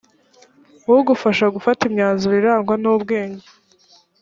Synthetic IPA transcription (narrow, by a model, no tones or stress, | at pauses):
oɡufaʃaɡufatimɲaːnzuɾiɾaːŋɡwanubɡe̞ːɲɟe